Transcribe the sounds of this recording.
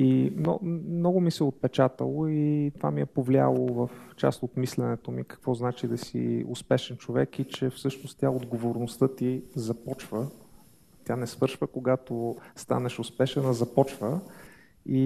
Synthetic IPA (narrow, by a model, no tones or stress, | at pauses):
imnɔ̰mnɔɡʊmisɛot̪̚pɛt͡ʃat̪ə̰lˠoit̪ovamiɛpovlia̰lˠovəft͡ʃa̰st̪ot̪mislɛnɛt̪omikɐ̥kvɔznat͡ʃid̪ɐsḭospɛʃɛnt͡ʃovɛkit͡ʃɛfsɤʃnost̪t̪ʲjaod̪ɡovoɾnost̪ɤt̪izɐpɔt͡ʃvə | t̪ʲjanɛsvɤɾʃvəkoɡat̪ost̪a̰nɛʃospɛʃɛnɐzɐpɔt͡ʃvə | i